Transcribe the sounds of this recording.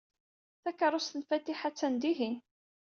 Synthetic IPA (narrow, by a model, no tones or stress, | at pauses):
θækɑɾˤʊst̪ənfæt̪iħat͡sːænd̪iɦin